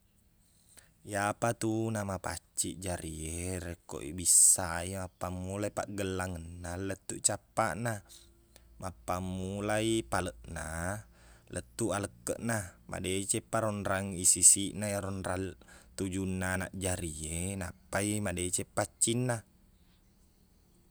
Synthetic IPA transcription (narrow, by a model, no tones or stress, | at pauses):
japat̪unamapa̰t͡ʃːiʔd͡ʒaɾieɾeko̰ʔḭbisaimapːamːulaipaʔɡəlːaŋənːalət̪ːuʔt͡ʃapːaʔna | mapːamːulaipaləʔna | lʔət̪ːuʔaləkːəʔnama̰det͡ʃepːaɾɔnɾaŋisisiʔnajaɾɔnrɾat̪ud͡ʒunːaːnaʔd͡ʒaɾienapːaimadet͡ʃepːat͡ʃːinːa